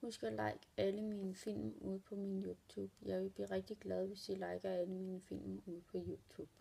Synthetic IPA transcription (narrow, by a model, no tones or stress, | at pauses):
husɡ̥ælɑ̈ɪ̰ɡ̥æləmiːnəfil̰muð̞̰ˠpʰɒ̽minjut͡sʰuːb̥jɑ̈ɪʋe̝lb̥lḭːʁɛɡ̥̚d̥iɡ̥lɛð̞ˠʋe̝sd̥ilɑ̈ɪɡ̥ɐæləmiːnəfil̰muð̞̰ˠpʰɒ̽juːt͡sʰṵːb̥